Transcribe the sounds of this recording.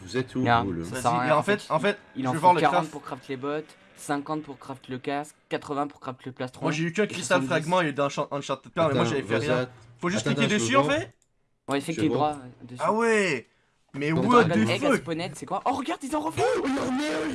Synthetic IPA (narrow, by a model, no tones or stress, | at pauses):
vuzɛt̪uasasjɛɑ̃fɛt̪ɑ̃fɛt̪il̃vevwaʁləkaʁɑ̃t̪puʁkχaft̪lebɔt̪ | sɛ̃kɑ̃t̪̚puʁkχaft̪ləkaskkːat̪χəvɛ̃pu̥ʁkχaft̪ləplast̪χwmwaʒeykɛ̃kχist̪alfχaɡmɑ̃ed̪ɛ̃ʃɑ̃ɑ̃ʃɑ̃t̪ɛd̪̚paʁmɛmwaʒavɛfɛʁjɛ̃ifoʒyst̪χit̪ʲed̪əsyɑ̃fɛt̪ | wɛsɛid̪ʁwaɛd̪əsawɛ | mɛwwɛd̪yføpɔnɛt̪sɛkwaʔɔ̃ʁəɡaʁd̪izɑ̃ʁəpɔʁmɛ